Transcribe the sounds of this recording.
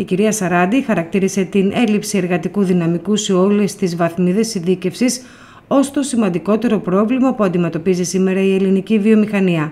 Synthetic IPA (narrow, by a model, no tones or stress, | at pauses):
iciɾiɐsɐɾɐd̪ixɐɾɐk̚t̪iɾise̞t̪inʔe̞lipsie̞ɾɣɐt̪ikuðinɐmikuse̞o̞le̞st̪izvɐθmiðe̞sinθice̞fsis | o̞st̪o̞simɐnd̪iko̞t̪e̞ɾo̞pɾo̞vlimɐpuɐnd̪ime̞t̪o̞pizisime̞ɾɐie̞linicivio̞mixɐniɐ